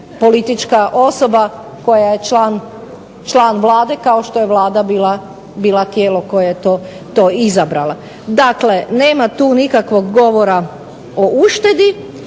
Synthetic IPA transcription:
po̞lit̪it͡ʃkaʔo̞so̞ba | ko̞jaje̞t͡ʃlaːn | t͡ʃlˠaːnʋlˠaːd̪e̞kaoʃt̪o̞jeʋlaːd̪abiːla | biːlat̪jeːlo̞ko̞jajet̪oː | t̪oːizabɾalˠa | d̪akle̞neːmat̪uːnikakʋo̞ɡɡo̞ʋoɾa | ouʃt̪e̞d̪i

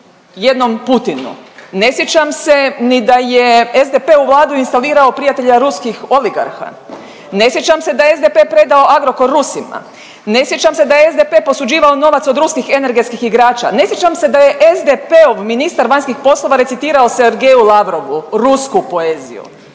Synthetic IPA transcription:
je̞d̪no̞mput̪inṵne̞sjet͡ʃamse̞nid̪ajeezd̪epe̞uʋlˠaːd̪uinst̪aliːɾao̞pɾijat̪eʎaɾuskixo̞liɡa̰ɾxa̰ | ne̞sjet͡ʃamse̞d̪ajeezd̪epe̞pɾe̞d̪ao̞ʔaɡɾo̞koɾːusima̰ | ne̞sjet͡ʃamse̞d̪ajeezd̪epepo̞sud͡ʒiːʋaono̞ʋat̪sod̪ɾuskixe̞ne̞ɾɡet̪skixiɡɾaːt͡ʃa̰ne̞sjet͡ʃamse̞d̪aje̞ʔezd̪epeoʋminist̪aɾʋaɲskixpo̞slˠo̞ʋaɾe̞t̪sit̪iːɾao̞seɾɡejulˠaʋɾo̞ʋuɾuskupo̞eːzḭjṵ

